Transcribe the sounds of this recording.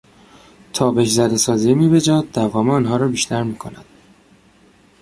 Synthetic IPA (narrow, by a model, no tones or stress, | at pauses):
t̪ʰɒːbe̞ʃzæd̪e̞sɒːziːmiːbe̞d͡ʒɒːd̪̚d̪ævɒːmeɒːnɦɒːɾɒːbiːʃt̪ʰæɾmiːkʰo̞næd̪̥